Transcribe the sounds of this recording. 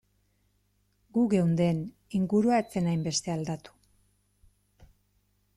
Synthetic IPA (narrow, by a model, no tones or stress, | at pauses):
ɡuɣe̞wnd̪e̞n | iŋɡuɾuaet͡se̞najmbe̞st̪e̞ald̪at̪u̥